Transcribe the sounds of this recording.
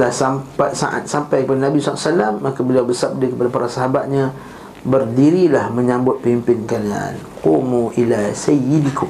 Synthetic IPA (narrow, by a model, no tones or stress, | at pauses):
lahsampat̪sa̰ʔa̰t̪̚sampajkəpadanabisɔa̰salamːakabəliawbəsab̚dakəpadapaɾʔasaɦabat̪̚ɲã | bərdiɾilahmə̃ɲãmbʊt̪̚pimpɪnkalia̰nqumuʔilasaidikʊ